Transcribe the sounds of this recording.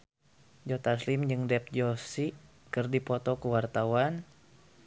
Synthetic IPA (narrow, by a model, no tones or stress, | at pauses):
d͡ʒɔt̪aslimd͡ʒɨŋdɛp̚d͡ʒɔsi | kɨrdipɔt̪ɔkəwart̪awan